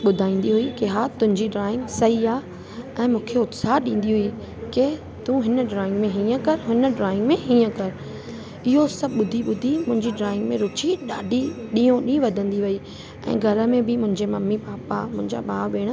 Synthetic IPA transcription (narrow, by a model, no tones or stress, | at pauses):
ɓʊd̪ʱaːĩːn̆d̪iɦʊikeɦaːt̪ʊ̃ɦɪ̃ɲd͡ʑiɖɾaːɪ̃ŋɡsɐiaː | ɛ̃ːmũːkʰeʊt̪saːɗĩːn̆d̪iɦʊi | ke | t̪ũɦɪnəɖɾaːɪ̃ŋɡmẽɦĩːə̃kɐɾɦʊnə̆ɖɾaːɪ̃ŋɡmẽɦĩːə̃kɐɾ | ɪɦosɐbɓʊd̪ʱiɓʊd̪ʱimʊ̃ɦɪ̃ɲd͡ʑiɖɾaːɪ̃ŋɡmẽɾʊt͡ɕiɗaːɖʱiɗĩːõɗĩːʋɐd̪ʱə̃nd̪iʋɐi | ɛ̰̃ːɡʱɐɾə̆mẽbɪmʊ̃ɦɪ̃ɲd͡ʑemɐmːipaːpamʊ̃ɦɪ̃ɲd͡ʑa̰baːʋeːɽ̃